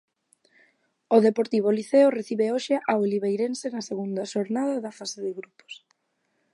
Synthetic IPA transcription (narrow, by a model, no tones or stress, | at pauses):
oðepoɾt̪iβoliθeʊreθiβeoʃɪʔaoliβejɾensenɐseɣund̪ɐʃoɾnaðɐðɐfaseðɪɣɾupo̥s